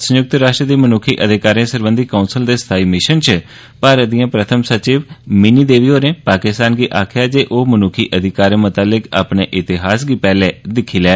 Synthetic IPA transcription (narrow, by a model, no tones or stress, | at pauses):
səjʊk̚t̪əɾaːʃʈɾəd̪iːmənʊkʰiːʔəd̪ɪkaːɾẽːsəɾbə̃nd̪iːkaːunsəld̪eːst̪ʰaːiːmɪʃənt͡ʃə | paːɾəd̪ijãːpɾət̪ʰəmsət͡ʃiːʋmɪniːd̪eːʋiːɦoːɾẽːpaːkɪst̪aːnɡiːʔaːkʰɪjaːd͡ʒeːʔoːmənʊkʰiːʔəd̪ʱɪkaːɾẽːmʊt̪aːlɪka̰ːpɳeːʔɪt̪ɪɦaːs̬ɡiːpɛːleːd̪ɪkʰːiːlɛː